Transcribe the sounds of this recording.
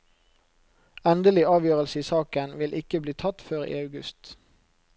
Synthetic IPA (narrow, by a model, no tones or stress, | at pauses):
ɛnd̪əlɪɑːʋjøːʁəlsəiːsɑːkənʋɪlʔɪkəbliːt̪ʰɑt̪føːʁḭːɑʉɡʉ̰st̪